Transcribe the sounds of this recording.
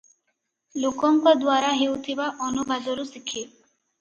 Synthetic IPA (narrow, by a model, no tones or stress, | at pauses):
lukɔŋkɔd̪waɾaɦewt̪ʰibaʔɔnubʱad͡ʒɔɾusikʰːi